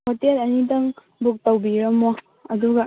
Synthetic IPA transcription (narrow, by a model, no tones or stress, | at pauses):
hotelɐnidɐŋ | buk̚pawbiɾɐmːo | ɐduɡɐ